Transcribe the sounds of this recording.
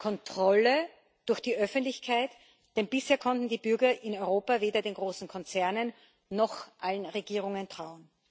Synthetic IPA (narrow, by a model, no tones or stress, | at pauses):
kʰɔntʁ̥ɔlə | d̥ʊɐxd̥iːʔœfəntlɪçkʰaɪt | d̥ɛnb̥ɪsheːɐkʰɔntn̩diːbʏɐɡɐʔɪnɔʏʁoːpaveːdɐdeːnɡʁoːsn̩kʰɔnt͡sɛɐnənː | ɔxʔalənʁeɡiːʁʊŋəntʁ̥aʊən